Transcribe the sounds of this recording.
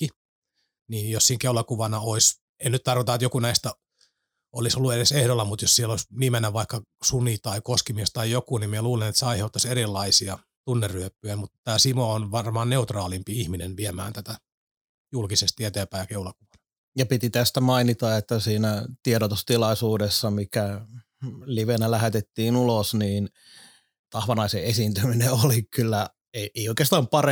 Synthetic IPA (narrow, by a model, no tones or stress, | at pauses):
kːi | niːnjossiːŋkeulɑkuʋɑnɑois | ennyt̪t̪ɑrkot̪ɑet̪jokunæist̪æ | olisolːueɾesehɾolːɑmut̪jossieloisniːmenːæʋʋɑikːɑsunit̪ɑikoskimiest̪ɑijokunimiɛluːlenet̪seɑiheut̪ːɑserilːɑisiɑ | t̪unːerːyøpːyæmut̪t̪æːsimoonʋɑrmɑːnneut̪rɑːlimpiihminenʋiemæ̰ːnt̪æt̪æ | julkisest̪iet̪eːpæːjɑkeulɑkuʋɑnɑ | jɑpit̪it̪æst̪æmɑinit̪ɑet̪ːæsiːnæt̪ieɾot̪ust̪ilɑisuːdesːɑmikæ | liʋenælæhet̪et̪ːiːnulosniːn | t̪ɑhʋɑnɑiseʔesiːnt̪ymineolikylːæ | eeioikeːst̪ɑːmpɑre